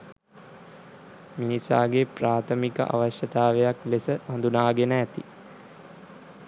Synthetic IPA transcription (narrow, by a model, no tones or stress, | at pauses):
minisa̰ːɡepraːt̪ʰəmikə̰ʔa̰ʋaɕjət̪aːʋejaklesəʋand̪unaːɡenəæt̪ḭ